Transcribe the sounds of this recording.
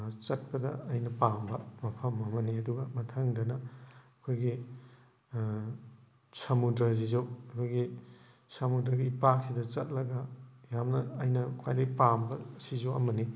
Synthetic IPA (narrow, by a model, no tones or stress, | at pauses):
t͡ʃɐt̚pɐdɐ̰ɐjnɐpambɐmɐpʰɐmɐmɐniɐduɡɐmɐtʰɐŋdɐnɐː | kʰojɡi | sɐmudɾɐz̬izowɐkʰojɡi | sɐmudɾɐɡiipak̚sidɐt͡ʃɐt̚lɐɡɐjamnɐːjnɐkʰwa̰jlɐpambɐsizowɐmɐni